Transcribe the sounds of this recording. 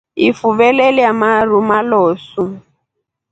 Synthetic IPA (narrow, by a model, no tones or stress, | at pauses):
ifuβɛlɛlɛjamaɾumalɔːsu